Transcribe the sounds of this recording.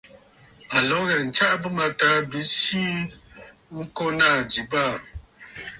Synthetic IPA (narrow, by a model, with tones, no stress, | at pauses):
a˨lɔ˨˦ɣɛ˨n̩˨t͡ʃa˦ʔbɨ˦ma˨ta˨˦bi˨˦si˦ | ŋ̩˦kɔ˦naː˦˨d͡ʒi˨baː˦˨